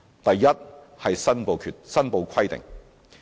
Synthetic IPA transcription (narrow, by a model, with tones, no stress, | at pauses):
t̪ɐ˨jːɐ˥t̚ | hɐ˨jsɐ˥npo˨˧wkʰy˨tsɐ˥npo˨˧wkʰɐ˥jt̪ɪ̰˨˩ŋ